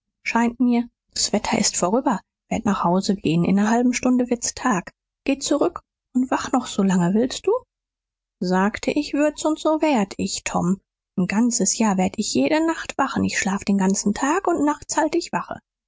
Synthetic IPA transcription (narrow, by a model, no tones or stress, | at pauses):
ʃaɪntmiːɐ | d̥asv̥ɛtʰɐʔɪ̰stfoɐʁ̞yːbɐ | v̥eːɐtnaːχhaʊzəɡeːənʔɪ̰nɐɦalbm̩ʃtʊndəvɪɐt͡stʰaːk | ɡ̥eːt͡suʁʏk | ʊntv̥aχnɔχz̥olaŋəvɪlst̚d̥uː | zaːktʰəʔɪçv̥ɪɐtsʊnsz̥oːveːɐtʰɪçtʰɔ̰m | nɡant͡səsjaːɐveːɐdəɪçjeːɾənaχtv̥aχn̩ɪçʃlaːfəd̥eːnɡant͡sn̩tʰaːkʊntnaχtt͡shaltəɪçv̥aχə̰